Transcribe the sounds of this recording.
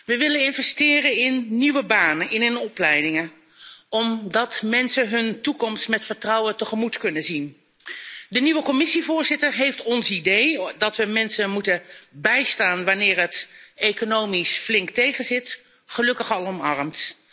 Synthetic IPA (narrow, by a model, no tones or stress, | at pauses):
ʋəʋɪlənɪnvɛstɪːrənɪnːiʋəbaːnəʔɪnɦɵnɔplɛjdɪŋə | ɔmdɑtmɛnsəɦɵntukɔmstmɛtfəɹtrɑwətəχəmutkɵnəzin | dəniʋəkɔmɪsivʊːɹzɪtəɹɦejftɔnsidejdɑtʋəmɛnsəmutəbɛjstaːnʋanɪːɹɦətejkonowmisflɪŋktejχənzɪt | χəlɵkəχɑlˠɔmɑɹəmt